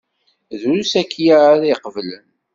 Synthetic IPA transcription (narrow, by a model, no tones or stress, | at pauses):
ðɾusækːjaɾiqəvlən